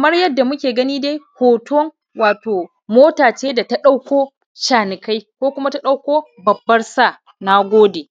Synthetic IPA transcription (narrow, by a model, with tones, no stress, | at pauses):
kɐ˨mɐ˦rjɐ˦dːa˨mʊ˦kʲeː˨ɡɐ˦niː˦de˦jhoː˨tʰo˦ŋ | waː˨toː˨ | moː˦taː˨t͡ʃeː˦da˨ta˦ɗa˦wkʷoː˦ | ʃaː˨nɪ˨ka˦jkʷoː˦kʷʊ˦ma˦ta˦ɗa˦wkʷoː˦ | bɐ˨bːɐ˦rsaː˦˨ | na˦ɡʷoː˦deː˨